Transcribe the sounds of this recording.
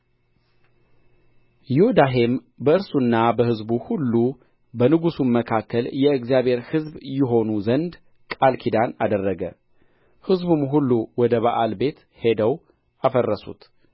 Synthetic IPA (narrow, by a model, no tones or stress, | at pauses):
jɪod̪aɦem | bəɨɾsunːabəhɨzbuhulːu | bənɨɡusunməkʰakːəljɛɨɡzjaβhe̞ɾhɨzbjɪɦo̞nuzənd̪ | kʼalkʰid̪anad̪ərːəɡə̰ | hɨzbumɦulːuwɔd̪əβaʔalbe̞t̪ | he̞d̪əw | afərːəsṵt̪